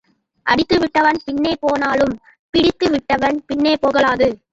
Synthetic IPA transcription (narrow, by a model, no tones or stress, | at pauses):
ʔɐɽɪt̪ːɯʋɪʈːɐʋɐnpɪɳːeːpoːnaːlɯm | pɪɽɪt̪ːɯʋɪʈːɐʋɐnpɪɳːeːpoːɣɐɭaːðɯ